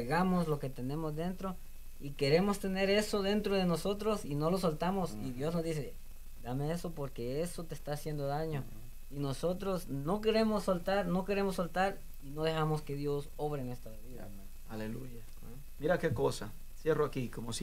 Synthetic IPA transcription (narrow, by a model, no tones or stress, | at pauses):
eɣamoslo̞ke̞t̪e̞ne̞mozðe̞nt̪ɾo̞ | ike̞ɾe̞mo̞st̪e̞ne̞ɾe̞so̞ðe̞nt̪ɾoð̞e̞noso̞t̪ɾosino̞losolt̪amosiðjo̞znozd̪is̬e̞ | d̪ame̞eso̞poɾke̞esot̪est̪aːsje̞nd̪oðaɲo̞ | ino̞so̞t̪ɾo̞sno̞ke̞ɾe̞mosːolt̪aɾno̞ke̞ɾe̞mosːolt̪aɾ | inoðe̞xamoske̞ðjo̞so̞βɾenwe̞st̪ɾaβiða̰ | alelṵʝa | miɾakekosa̰ | sjeroakikomos